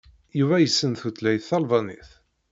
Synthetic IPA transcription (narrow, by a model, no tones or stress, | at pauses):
juvæjəsːənθut̪læjθːɑlvɑnḭθ